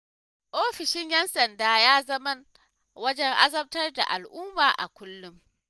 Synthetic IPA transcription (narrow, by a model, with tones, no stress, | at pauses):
ʔoː˦ɸɪ˨ʃɪ˦ɲjɛ˦nsɐ˨ndaː˦jaː˦zɐ˦mɐ˦n | wɐ˦d͡ʒɛ˦ŋʔa˦zɐ˦b̚tɐ˦rda̰˨ʔa̰˨lʔʊ˦mːaː˨ʔa̰˨kʷʊ˦lːʊ˦m